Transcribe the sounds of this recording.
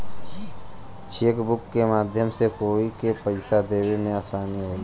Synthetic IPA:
t͡ʃʰeːkbʊkːemaːd̪ʱjəmsekoːikepəɪsad̪eːwemẽaːsaːniɦoːlː

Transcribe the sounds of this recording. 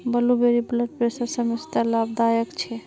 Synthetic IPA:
bəlubeɾibləʈ̚pɾesəɾsəmest̪alab̚d̪ajəkt͡ʃʰɛ

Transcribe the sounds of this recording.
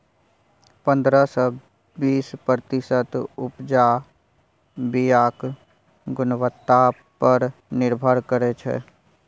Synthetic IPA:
pə̃nd̪ɾəsə | biːspɾət̪ɪsət̪ʊpd͡ʒa | bijaːk | ɡʊnwət̪ːa | pəɾnɪɾbʱəɾkəɾet͡ʃʰḛ

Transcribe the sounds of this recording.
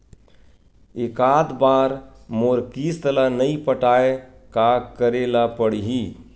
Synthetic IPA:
ekad̪baːɾmoɾkist̪əlanəipəʈaekakəɾelapəɽiɦi

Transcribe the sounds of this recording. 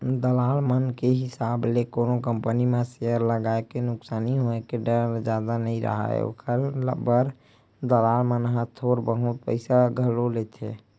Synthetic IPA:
d̪əlaːlmənkeɦɪsaːblekonokəmpənimẽseəɾləɡaːekenʊksaːniɦoekeɖəɾd͡ʒad̪anəɦĩɾʔə̰ɦa̰ḛo̰kəɾlə̰bəɾ | d̪əlaːlmənɦə̃t̪ʰoɾbəɦut̪̚pə̰ɪsaɡʱəlolet̪ʰḛ

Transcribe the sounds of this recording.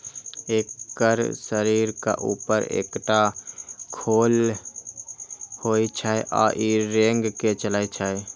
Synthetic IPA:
eːkːəɾsəɾiːɾka̰ʔṵːpəɾḛːkʈakʰoːl | hoːit͡ʃʰaeʔa̰ːʔiɾẽːŋɡket͡ʃəlaːit͡ʃʰae

